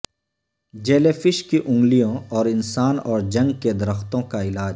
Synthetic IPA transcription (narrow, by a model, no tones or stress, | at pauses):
d͡ʒeːlefɪʃkiʔʊ̃ŋɡlijõɔːɾɪnsaːnɔːɾd͡ʒɐ̃ŋɡked̪ɐɾəxt̪õkaɪlaːd͡ʒ